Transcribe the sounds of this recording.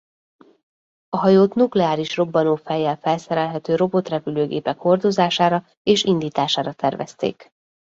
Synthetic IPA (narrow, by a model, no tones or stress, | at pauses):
ɒɦɒjoːt̪nuklɛaːɾiʃro̞bːɒnoːfɛjːɛlfɛlsɛɾɛlɦɛt̪øːɾo̞bo̞t̪rɛpyløːɡeːpɛkho̞rd̪o̞zaːʃaːɾɒ | eːʃind̪iːt̪aːʃaːɾɒt̪ɛrvɛ̰st̪ḛːk